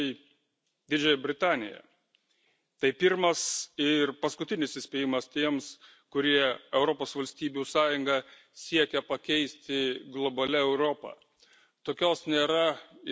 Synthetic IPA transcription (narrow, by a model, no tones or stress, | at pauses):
ɪ | d̪ʲɪd͡ʒʲɛjɛbʲɾʲɪt̪ɑːnʲɪ̰jɛ̰ | t̪ɐɪpʲɪɾmɐsɪɾpɐskʊt̪ʲɪnʲɪsɪsʲpʲɛjɪmɐst̪ʲiɛms | kʊɾʲiɛɛʊɾopoːsʋɐlʲsʲt̪ʲiːbʲuːsɑːjʊŋɡɐ | sʲiɛkʲɛpɐkʲɛɪsʲt̪ʲɪɡlˠɔbɐlʲɛɛʊɾoːpɐ̰ː | t̪oːkʲoːsnʲeːɾɐ